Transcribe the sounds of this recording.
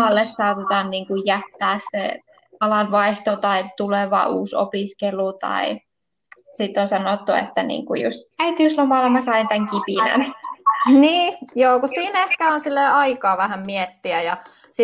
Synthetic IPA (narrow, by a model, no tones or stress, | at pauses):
ɑlːessɑuʋut̪ɑːnniːŋkujjæt̪ːæːssḛ | ɑlɑnʋɑiht̪ot̪ɑit̪uleʋɑ̰ṵːso̰piskelut̪ɑ̰i | sit̪ːonsɑnot̪ːuḛt̪ːænḭːŋkujṵst̪æit̪iuslomɑlmɑsɑint̪æŋkipinæ̰n | niːjoːkussiːnehkæonsilːeɑikɑːʋæhæmmiet̪ːiæjɑ | si